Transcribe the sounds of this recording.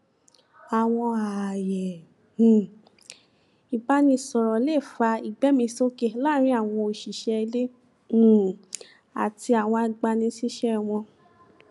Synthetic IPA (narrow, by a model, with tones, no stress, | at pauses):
a˨w̃ɔ̃˧a˨jɛ˨ | i˨ba˧˦nĩ˧sɔ˨ɾɔ˨le˦˨fa˧i˨ɡ͡bɛ˨˦mĩ˧so˦ke˧˦la˦ɾ̃ĩ˧˦a˦˨w̃ɔ̃˧o˧˨ʃi˨ʃɛ˧lẽ˦˨ | a̰˨ti˧a˨w̃ɔ̃˧a˧ɡ͡ba˧nĩ˧˦si˦ʃɛ˦˧w̃ɔ̃˧